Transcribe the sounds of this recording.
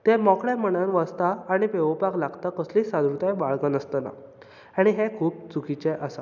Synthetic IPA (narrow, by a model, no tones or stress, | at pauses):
t̪emɔkɭjamənãnʋast̪aːɽ̃ipeʋəpaklaɡt̪akəslisad̪ɾut̪ajbaɭkənəst̪əna̰ | aɽ̃iɦekʰuːp̚t͡sukʰit͡ɕeʔəsa